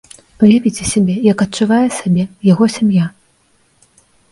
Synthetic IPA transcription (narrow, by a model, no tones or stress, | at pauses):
pɨjavʲit͡sʲɛsʲabʲɛjɐkɐt̚t͡ʂːuvajɛsʲabʲɛjaɣɔsʲamja